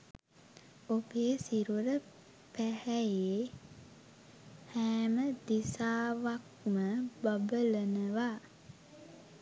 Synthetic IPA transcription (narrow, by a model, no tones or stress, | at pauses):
obeːsiɾuɾə | pæhæjeː | hæːməd̪isaːʋak̚ | məbabələnəʋaː